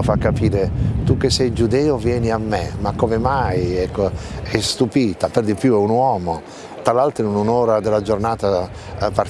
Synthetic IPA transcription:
fakːapiːɾet̪ukːesːɛjd͡ʒud̪ɛːovjɛːniamːemakːomemajɛkːoɛst̪upiːt̪aperd̪ipjuɛunwɔːmo | t̪alalt̪ɾɛunonoːɾad̪elːad͡ʒornaːt̪a | par

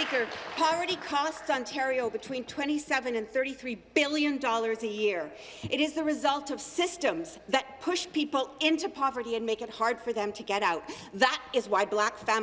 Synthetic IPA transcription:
ikə˞pʰɑvə˞ɾikʰɔstsɑ̃ntʰɛɹioʊbɨtʰw̥ĩntʰw̥ɛ̃ɾ̃isɛvɨ̃nɨ̃nθɜ˞ɾiθɹibɪlˠjɨ̃ndɔlˠə˞zɨjɪɹ | ʔɨɾɨzðɨɹɨzʌlˠtʌv̥sɪstə̃mzðɨt̚pʰʊʃpipl̩ˠɪ̃ntupʰɑvə˞ɾiɨ̃nmeɪkɨt̚hɑɹd̥fə˞ðɨ̃mtʰɨɡɛɾaʊt̪̚ | ðəɾɪzwaɪblækfæ̃

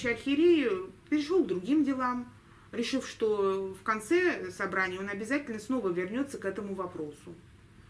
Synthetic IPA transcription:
ɪɐlʲxʲɪɾʲejɪpʲɪɾʲɪʂoɡd̪ɾʊɡʲimdʲɪlˠam | ɾʲɪʂɨfʂt̪o̞fkɐnt̪sɛsɐbɾanʲɪjəonɐbʲɪzatʲɪlʲnəsno̞vəvʲɪrnʲo̞t̪sːəkɛt̪əmʊvɐpɾo̞sʊ

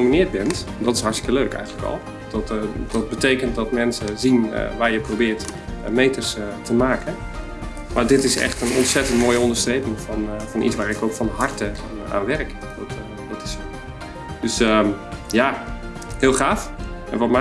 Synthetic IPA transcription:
minɪːət̚bɛnt | dɔtɪsɦɑrtstɪ̥kəløːkɛ̰jɣələkɔ̰l̥ˠ | ɔtdɔt̚bətejkənt̚dɔtmɛnsəzin̰ʋaːjəprobɪːrtmeːtərstʰəmaːkən | maɹdɪtɪsɛ̰xtənɔ̰ntsɛtəntmoːjəɔndərstrejpɪŋfɔnfɔnʔḭsʋaːɾɪkowkfɔnɦɑrtəana̰ːnʋɛrk | ot | ʋotɪ̥so | døsəja | hɪːlˠxaːfʔɛ̰nʋɔtmɛ

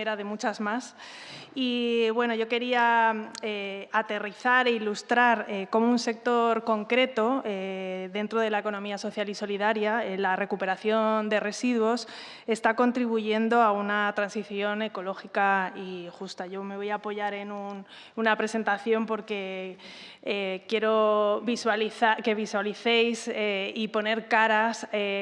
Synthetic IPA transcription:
eɾaðe̞mut͡ʃazmas | iβwe̞no̞ʝo̞ke̞ɾiaeat̪e̞riθaɾe̞ilust̪ɾaɾeko̞mounse̞k̚t̪o̞ɾko̞ŋkɾe̞t̪o̞eðe̞nt̪ɾo̞ð̞e̞laeko̞nõ̞miaso̞θjaliso̞liðaɾjaelare̞kupe̞ɾaθjo̞nd̪e̞re̞siðwo̞s | e̞st̪ako̞nt̪ɾiβuʝe̞nd̪o̞aunat̪ɾansiθjo̞ne̞ko̞lo̞xikaixust̪aʝo̞me̞βo̞jaːpo̞ʝaɾe̞nun | unapɾe̞se̞nt̪aθjo̞mpo̞ɾke̞ | ekje̞ɾo̞βiswaliθake̞βiswaliθe̞jseipo̞ne̞ɾkaɾase

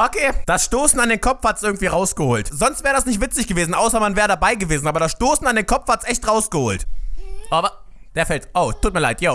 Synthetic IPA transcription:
ʔokʰeːd̥asʃtoːsn̩andeːnkʰɔpp͡fhatsʔɪɐɡŋ̩tv̥iːʁaʊsɡ̥əhoːltz̥ɔnstv̥ɛːʁədasnɪçtv̥ɪt͡sɪçɡ̥əveːzn̩ʔaʊsɐmanvɛːʁədabaɪɡəveːzn̩aːbɐɾasʃtoːsn̩andeːnkʰɔp͡fhatsʔɛçtʁaʊsɡ̥əho̰ːltʔaːbɐd̥eːɐfɛltʔoʊtʰːuːt̚miɐlaɪtʰjoː

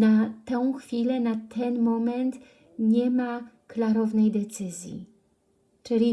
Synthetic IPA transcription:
nat̪ɛw̃xfʲilɛnat̪ʰɛnmɔmɛnt̪ | ɲɛma | klaɾɔvnɛjd̪ɛt̪sɘzʲjḭ | t͡ʂɘlʲi

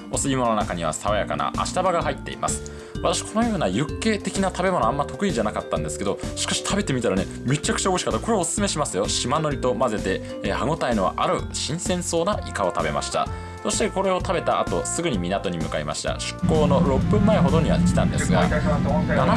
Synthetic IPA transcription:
o̞sɨɡʲimo̞noakaɲ̟iβ̞a̰saβajaka̰na̰ʔa̰ɕi̥t̪abaɡaɦait̪ːe̞̰ḭmʔa̰sɨ̥ | βat̪aɕi̥kʰo̞nojo̞ːnajɯ̟kːe̞ːt̪e̞kʲinat̪ʰabe̞mo̞noamːat̪o̞kɯ̟iʑanakat̪ːãnd̪e̞sɨ̥ke̞d̪o̞ɕi̥kaɕi̥t̪ʰabe̞t̪e̞mʲit̪aɾane | me̞t͡ɕːakɯ̟̥t͡ɕaoɡoɕi̥kat̪ːako̞ɾe̞o̞sɨ̥sɨme̞ɕimasɨjo̞ɕimano̞ɾʲit̪o̞maze̞t̪e̞ | haɡo̞t̪ainoβa̰ʔaɾɯ̟ɕĩɰ̃sẽ̞ɰ̃so̞ːnaikao̞t̪abe̞̰ma̰ɕi̥t̪a̰ | so̞ɕi̥t̪eko̞ɾe̞o̞t̪ʰabe̞t̪aʔat̪o̞sɨɡɯ̟ɲ̟imʲinat̪o̞ɲ̟imɯ̟kaima̰ɕi̥t̪a̰ɕɨ̥kːo̞ːno̞ɾo̞pːɯ̟̃mːaeɦo̞d̪o̞ɲ̟iβa̰kʲi̥t̪ã̰nd̪e̞sɨɡa̰ | nan

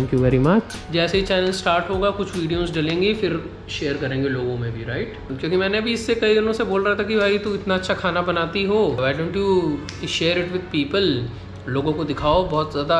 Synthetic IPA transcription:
tʰɛ̃ŋkjuʋɛːɾimɐt͡ʃ | d͡ʒɛːseit͡ʃɛːnəlsʈaːɾʈɦoːɡakʊt͡ʃʰʋiːɖijoːzɖɐlẽːŋɡifɪɾ | ʃeːəɾkɐɾẽːŋɡeloːɡõmẽbʱiɾaɪʈ | kjõːkimɛːneɐbʱiɪsːekɐid̪ɪnõseboːlɾaat̪ʰakibʱaːit̪uɪt̪naɐtːʃʰakʰaːnabɐnaːt̪iɦoːaɪɖõːɳʈu | ʃeːɾɪʈʋɪd̪̚piːpəl | loːɡõkod̪ɪkʰaːobɔːt̪zjaːd̪a

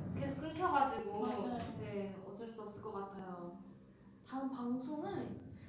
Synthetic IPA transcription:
ke̞sʰok͈ɯɭkʰjʌɡad͡ʑiɡone̞ʌt͡ɕ͈ʌɭs͈uʌp̚s͈ɯɭk͈ʌk͈atʰajo | taɯnpaŋsʰoŋɯn

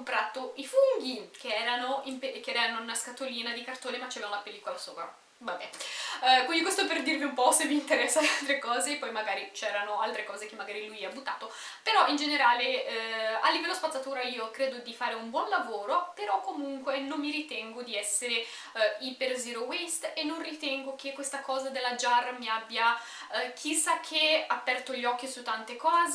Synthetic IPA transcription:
mpɾat̪ːoifuŋɡikeɛːɾanoimpekɛɾɛanounaskat̪ːoliːnad̪ikart̪oːnemat͡ʃːɛːvaunapelːiːkolaso̰ːpɾa̰ | vabːɛnkwind̪ikwest̪oɛperd̪irliumpɔsemːiːnt̪eɾɛsːad̪ealt̪ɾekɔːzeːpːɔjmaɡaːɾit͡ʃɛːɾanoalt̪ɾekɔːzekemːaɡaːɾilujabut̪ːa̰ːt̪o | peɾɔʔind͡ʒeneɾaːle | alːivɛlːospat̪sːat̪uːɾaiːokɾeːd̪od̪ifaːɾeumbwɔnlavoːɾopeɾɔkːomuŋkwenomːiɾit̪ɛŋɡod̪iɛsːeɾe | ilperziːɾowest̪enːonrit̪ɛŋɡok̟ekːwest̪akɔːzad̪elːad͡ʒarmiabːja | kʰisːakʰːeapːɛrt̪oʎːɔkːisut̪ːant̪ekɔːz

